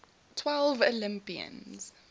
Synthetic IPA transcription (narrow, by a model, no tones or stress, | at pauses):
tʰwɛlˠvɔlɪ̃mpiə̰̃nz̥